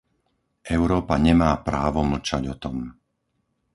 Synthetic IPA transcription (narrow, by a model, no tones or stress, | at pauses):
ʔɛʊɾɔːpaɲɛmaːpɾaːʋɔml̩t͡ʃaɟɔt̪ɔm